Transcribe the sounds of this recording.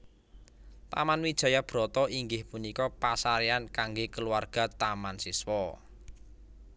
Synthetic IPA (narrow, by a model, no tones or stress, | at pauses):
t̪a̰manwid̥ʒ̥a̤jab̥ɾɔt̪ɔiŋɡɪhpunikɔpasaɾiankaŋɡekəluwarɡ̥a̤t̪amansiswɔ